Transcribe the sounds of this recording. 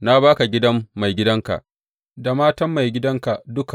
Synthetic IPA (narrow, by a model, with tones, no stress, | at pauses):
na˦baː˦ka˨ɡʲɪ˦dɐ˦mːa˨jɡʲɪ˦dɐ˦ŋka̰˨ʔ | da˨maː˦tɐ˦mːa˨jɡʲɪ˦dɐ˦ŋka˨dʊ˦ka˨